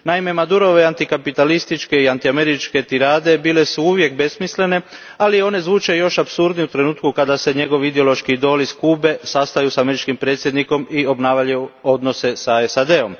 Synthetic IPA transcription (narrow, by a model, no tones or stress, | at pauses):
naime̞mad̪uɾo̞ʋe̞ant̪ikapit̪alist̪it͡ʃke̞iant̪iame̞ɾit͡ʃke̞t̪iɾaːd̪e̞biːle̞suuʋje̞kbe̞smisle̞ne̞ | alio̞ne̞zʋuːt͡ʃe̞jo̞ʃapsuɾd̪niut̪ɾe̞nuːt̪̚kukad̪ase̞ɲe̞ɡo̞ʋiid̪eo̞lˠo̞ʃkid̪o̞ːliskuːbe̞sast̪ajusame̞ɾit͡ʃkimpɾe̞ːt̪sjed̪niko̞mio̞bnaːʋaʎuo̞d̪no̞se̞saesad̪e̞o̞m